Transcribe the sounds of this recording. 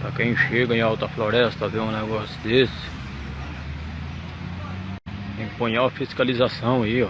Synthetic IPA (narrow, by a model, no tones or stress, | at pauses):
pɾɐkẽj̃ʃeɡɐẽawt̪ɐflɔɾɛst̪ɐvẽʊ̃nɛɡɔsjʊd̪esɪ̥ | ẽpõɲaɐfiskalizasɐ̃w̃ɐiɔ